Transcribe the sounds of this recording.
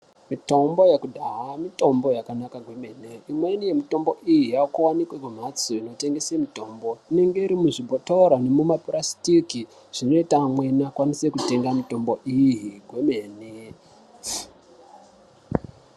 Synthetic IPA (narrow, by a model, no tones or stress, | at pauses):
mito̞mbo̞jekudʱaɦamito̞mbo̞jakanakaɡʱwe̞me̞ːneimwe̞nije̞mito̞mbo̞ʔijijaokuwanikwekum̤at͡soino̞te̞ŋɡe̞semito̞mbo̞ine̞ŋɡe̞iɾimuʐibʱotoɾane̞mumaprastiki | ʐ̥ino̞itamwe̞nakwanise̞kute̞ŋɡamito̞mbo̞ʔijiɡʱwemeːne